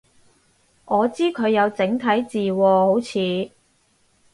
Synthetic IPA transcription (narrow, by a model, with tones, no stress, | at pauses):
ŋɔː˨˧t͡siː˥kʰɵ˨˧ɥjɐ˨˧wt͡sɪ˨˥ŋt̪ʰɐ˨˥jt͡siː˨wɔː˧ho˨˥wt͡sʰiː˨˧